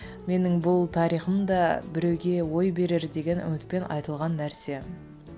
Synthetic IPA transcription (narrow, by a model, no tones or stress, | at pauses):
me̞nɪŋbʊlˠt̪ʰɑɾijχəmd̪ɑbɪɾe̞wɡʲe̞wo̞jbe̞ɾeɾd̪e̞ɡʲe̞nʏ̰mɪt̪̚pe̞nɑ̰jt̪əlˠʁɑnːæɾse̞